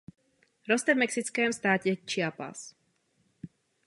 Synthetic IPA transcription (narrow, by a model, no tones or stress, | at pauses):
ɾɔst̪ɛvmɛksit͡skɛːmst̪aːcɛt͡ʃɪapa̰s